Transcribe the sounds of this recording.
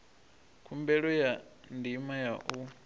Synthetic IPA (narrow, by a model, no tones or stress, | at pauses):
kʰumbɛɺɔjandimajaʔu